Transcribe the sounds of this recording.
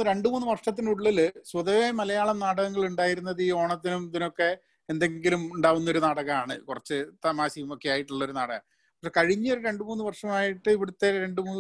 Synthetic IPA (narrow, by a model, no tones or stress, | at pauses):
ɾe̞ɳɖɨmuːnːɨʋɐrʂɐt̪̬ːinuɭːilsʋɐðɐʋemɐlɐjaːɭɐmnɐɽɐɣɐŋːɐɭuɳɖaːjiɾunːɐðiːo̞ːɳɐt̪̬ːinumðino̞kːe̞ | end̪e̞ŋɡilumuɳɖaːʋunːɐo̞ɾunɐɽɐɣɐmaːɳɨkurɐt͡ɕːɨt̪ɐmaːsijɐmokːejaːjiʈːuɭːɐo̞ɾunaɽɐɣɐ̰ | pɐkʂekɐɻiɲːɐoɾuɾe̞ɳɖɨmuːnːɨʋɐrʂɐmaːjiʈːɨiʋiɽut̪ːeɾe̞ɳɖumuːnː